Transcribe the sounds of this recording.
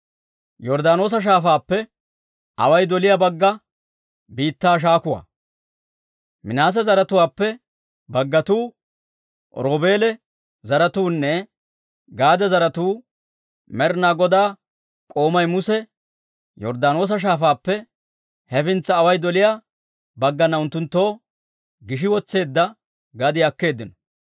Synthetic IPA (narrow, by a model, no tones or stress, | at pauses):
jɔɾd̪aːno̞ːs̬ɐʃ̬aːfaːpːɛ | ʔɐ̰wɐjd̪ɔlɪjɐbɐɡːɐ | biːt̪ːaːʃ̬aːkʊwa̰ː | mɪnaːs̬ɐzɐɾɐt̪ʊwaːpːɛ | bɐɡːɐt̪uː | ɾoːbe̞ːlɛ | zɐɾɐt̪uːnːɛ | ɡaːd̪ɐzɐɾɐt̪uː | mɛɾnaːɡɔd̪aː | kʼo̞ːmɐjmʊsɛ | jɔɾd̪aːno̞ːs̬ɐʃ̬aːfaːpːɛ | hɛfɪnt͡sːɐːwɐjd̪ɔlɪjaː | bɐɡːɐnːɐʊnt̪ːʊnt̪ːo̞ː | ɡɪʃ̬ɪwɔt͡sːe̞ːd̪ːɐ | ɡɐd̪ɪɐkːe̞ːd̪ːɪnɔ